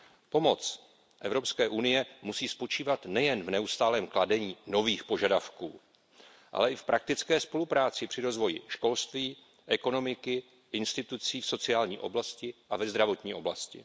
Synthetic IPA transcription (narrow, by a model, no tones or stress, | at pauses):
po̞mo̞t͡s | ʔɛ̰vɾo̞pskɛːʔunɪjɛmusiːspo̞t͡ʃiːvat̪nɛjɛnvnɛust̪aːlɛːmkladɛɲiːno̞viːxpo̞ʒadafkṵː | ʔa̰lɛʔɪfpɾʔak̚t̪ɪt͡skɛːspo̞lupɾaːt͡sɪpr̝̥ɪɾo̞zvo̞jɪʃko̞lst̪viː | ʔɛko̞no̞mɪkɪ | ʔɪnst̪ɪt̪ut͡siːfso̞t͡sɪaːlɲḭːʔo̞̰blascɪʔavɛzd̪ɾavo̞t̪ɲiːo̞blascɪ̰